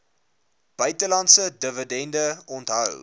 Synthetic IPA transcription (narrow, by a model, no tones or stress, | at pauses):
b̥œɥtəlɐntsədəvədɛndəɔntɦə̰w